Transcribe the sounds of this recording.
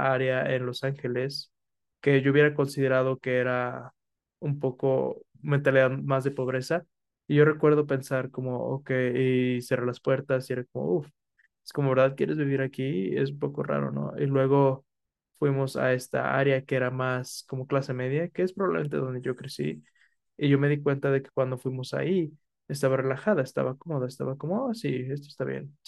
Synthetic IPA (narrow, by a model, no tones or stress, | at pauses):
aɾjaenlo̞saŋxe̞le̞s | ke̞ʝouβje̞ɾako̞nsiðe̞ɾað̞o̞ke̞eɾa | umpo̞ko̞̰ | ment̪aliðaðmazðe̞po̞β̞ɾe̞sa | iʝo̞re̞kwe̞ɾðope̞nsaɾko̞mo̞o̰kejiserelaspwe̞ɾt̪asie̞ɾakomo̰uf | eskomo̞βeɾðað̚kje̞ɾe̞zβiβ̞iɾakie̞̰s̬umpo̞ko̞ra̰ɾo̞̰no̰ʔilwe̞ɣ̞o̞ | fwimo̞sa̰e̞st̪a̰a̰ɾjakeeɾamasko̞mo̞klase̞me̞ðjakeespɾoβaβleme̞nt̪eðo̞nd̪e̞ʝo̞kɾe̞sḭ | iʝo̞me̞ðikwe̞nt̪aðe̞ke̥kwand̪o̞fwimo̞sa̰i | e̞s̬t̪aβare̞laxaðaest̪a̰βako̞mo̞ðaest̪a̰βako̞moasie̞st̪oest̪aβjḛn